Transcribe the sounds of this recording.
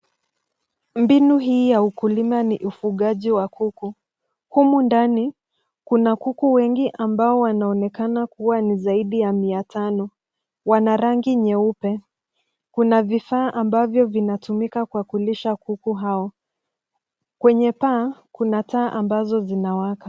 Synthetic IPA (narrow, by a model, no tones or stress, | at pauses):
mbinuɦiːjaukulimaniʔufuɠaʄiwakuku | humundani | kunakukuwɛŋɡiʔambaɔwanaɔnɛkanakuwanizaiɗijamiatʰanɔ | wanaɾaŋɡiɲɛupɛ | kunavifaːʔambavjɔvinatumikakuakuliʃakukuɦaɔ | kwɛɲɛpaːkunataːʔambazɔzinawaka